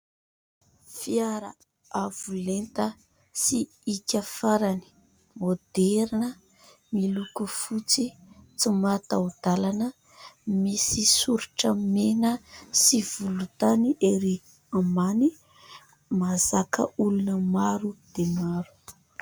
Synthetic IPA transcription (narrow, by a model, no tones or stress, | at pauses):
fiaɾa | avulent̪ə | si | ikʲafaɾani̥ | mod̪eɾinə | milukufut͡sit͡simat̪aud̪̥alanə | misisuɾuʈ͡ʂəmenəsivulut̪aniʔeɾi | amani | mazakə̰ulunəmaɾud̪̥emaɾu̥